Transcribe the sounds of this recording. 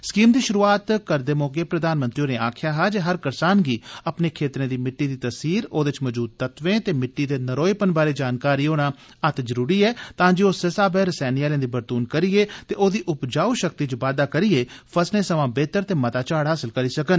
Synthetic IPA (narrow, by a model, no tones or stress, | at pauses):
skiːmd̪iːʃʊɾuːaːt̪kəɾd̪eːmoːkeːpɾəd̪aːnmə̃nt̪ɾijõːneːaːkʰɪjaːɦaːd͡ʒeɦəɾkəɾsaːnɡiːəpneːkʰeːt̪ɾẽːd̪iːmɪʈːiːd̪iːt̪əsiːɾoːd̪ɪt͡ʃməd͡ʒuːd̪̚t̪ət̪ʋẽːt̪eːmɪʈːiːd̪eːnəɾoːipənbaːɾeːd͡ʒaːnkaːɾiːoːɽ̃aː | ət̪zəɾuːɾiːɛːt̪ãːd͡ʒeːoːsesaːbɛːɾəsɛːnijaːlj̃ãːd̪iːbəɾt̪uːnkəɾiːeːt̪eːʔoːd̪iːʔʊpd͡ʒaːuːʃək̚t̪iːt͡ʃʋaːd̪aːkəɾieːpʰəsneːsəʋãːbeːt̪əɾt̪eːmət̪aːt͡ʃaːɽɦaːsɪlkəɾiːsəkən